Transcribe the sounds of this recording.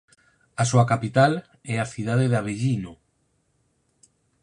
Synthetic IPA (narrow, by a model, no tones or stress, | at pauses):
asuakapit̪al | ɛaθiðaðeðaβeʎino